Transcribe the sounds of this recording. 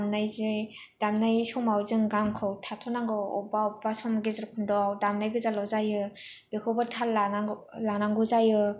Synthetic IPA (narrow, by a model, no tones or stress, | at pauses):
mnajze | d̥amnajsɔmawzɯŋɡamkʰɯwtʰatʰɔnaŋɡɯɔ̰baɔbasɔmɡezɾkʰɯndɔawdamnajɡɯzalɔzajɯb̥ekʰɔwbatʰallanalanaŋɡɯzajɯ